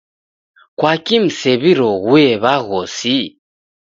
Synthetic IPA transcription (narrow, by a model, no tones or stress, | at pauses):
kwakim̩sɛβiɾɔɣwɛβaɣɔsi